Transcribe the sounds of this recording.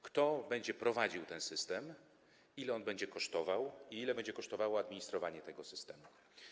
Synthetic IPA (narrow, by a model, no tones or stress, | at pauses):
kt̪ɔbɛɲd͡ʑɛpɾɔvad͡ʑiwt̪ɛnsɘst̪ɛm | ilɛɔnbɛɲd͡ʑɛkɔʂt̪ɔvawiilɛbɛɲd͡ʑɛkɔʂt̪ɔvawɔad̪mʲiɲist̪ɾɔvaɲɛt̪ɛɡɔsɘst̪ɛmu